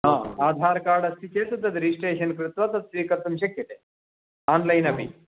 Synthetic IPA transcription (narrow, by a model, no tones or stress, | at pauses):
ɦãːaːd̪ʱaːɾkaːɾɖɐst̪it͡ɕeːsud̪ːɐd̪ɾiːsʈeːɕɐnkɾut̪ʋɐt̪ɐt̪sʋiːkɐɾt̪umɕ̬ɐkjɐt̪eː | aːnlɐjnɐbʱḭː